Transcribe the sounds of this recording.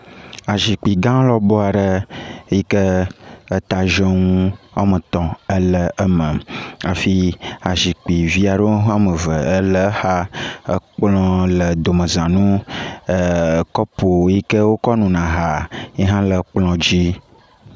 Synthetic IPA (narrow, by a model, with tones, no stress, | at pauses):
a˨ʒi˨k͡pi˨ɡã˦lɔ˦bɔ˦a˨ɖə˦ji˦kə˦ə˦t̪a˨ʒə˦ŋũ˦a̰˦mə̃˨t̪ɔ̃˨ə˦lə˨ə˦mə̃˨a˨fi˦a˨ʒi˨k͡pi˨vi˦a˨ɖo˦ɦa˦mə˨və˨ə˦lə˨ha˦ə˦k͡plɔ̃˦lə˨d̪o˨mə̃˨zã˨nũ˦˨ | kɔ˦po˨˦ji˦kə˦wo˦kɔ˦nũ˨nã˨ɦa˨je˦ɦã˦lə˨k͡plɔ̃˨d͡ʑi˦